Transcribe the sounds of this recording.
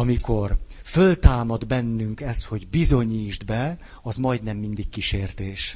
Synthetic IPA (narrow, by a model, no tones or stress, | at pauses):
ɒmiko̞rfølt̪aːmɒd̪bɛnːyŋkɛst̪ho̞ɟbizo̞ɲiːʒd̪bɛ | ɒzmɒjd̪nɛmːind̪ikkiʃeːrt̪eːʃ